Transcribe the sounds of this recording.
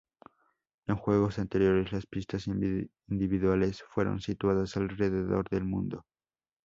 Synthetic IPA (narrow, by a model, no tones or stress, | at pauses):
e̞ŋxwe̞ɣ̞o̞sant̪e̞ɾjo̞ɾe̞zlaspist̪asind̪iβiðwale̞sfwe̞ɾo̰nsit̪waðasalre̞ðe̞ðo̞̰ɾðe̞lmṵ̃nd̪o̞